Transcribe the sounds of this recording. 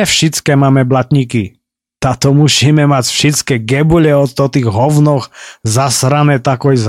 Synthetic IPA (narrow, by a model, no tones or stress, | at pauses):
ɛfʃit͡skɛmaːmɛblat̪ɲiki | t̪aːt̪ɔmusimɛmacfʃɛt͡skɛɡɛbuʎɛɔt̪ɔt̪iːɣɦɔwnɔxzasɾanɛt̪akɔjz